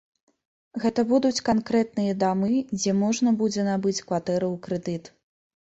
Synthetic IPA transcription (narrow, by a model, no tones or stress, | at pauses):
ɣɛt̪ɐbud̪ut͡sʲkankɾɛt̪̚nɨjɐd̪amɨd͡zʲɛmɔʐnɐbud͡zʲɛnabɨt͡sʲkvat̪ɛɾɐwkɾɛd̪ɨt̪